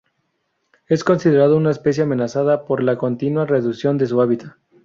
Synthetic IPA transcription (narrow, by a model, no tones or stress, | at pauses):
e̞sko̞nsiðe̞ɾað̞ounaespe̞s̬jeame̞nasaðapo̞ɾlako̞nt̪inware̞ðuksjo̞nd̪e̞s̬uaβit̪ʰa